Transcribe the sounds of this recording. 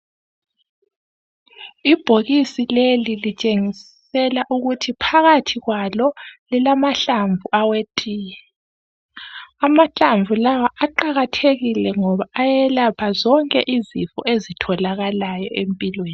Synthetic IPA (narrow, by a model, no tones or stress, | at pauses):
ib̥ʱoɣisilelilit͡ʃʼeŋis | ɛlaʔuɣutʰipʰaɣatʰiɣwalɔlilamaɬaɱvʱuʔawetʼiːjɛ | amaɬaɱvʱulawaʔaǃaɣatʰeɣilɛŋɔβaːjɛlapʰazɔŋkʼɛ̰ʔizḭfɔ̰ezitʰɔlaɣalajɔ̰ʔempʼilweːni